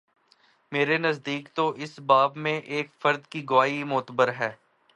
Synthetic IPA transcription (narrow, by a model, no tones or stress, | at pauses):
meːɾenɐzd̪iːkt̪oʔɪsbaːbmẽʔeːkfɐɾd̪kiɡʊʋaːimʊːt̪əbəɾɦɛː